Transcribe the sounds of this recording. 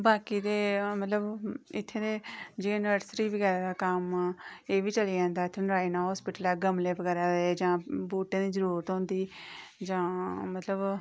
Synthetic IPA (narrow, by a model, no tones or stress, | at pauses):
baːkiːd̪eːmət̪ləbɪt̪ʰːeːd̪eːd͡ʒeːnəʈsɾiːbəɡɛːɾãːd̪aːkəmeːʋiːt͡ʃəlid͡ʒãːnd̪aːɪt̪ʰːenɾaːinaːɦɔːspɪːʈəlaːɡəmleːbəɡɛːɾaːd̪ed͡ʒãːbuːʈẽːd̪iːzəɾuːɾət̪ɦõːnd̪iːd͡ʒãːmət̪ləb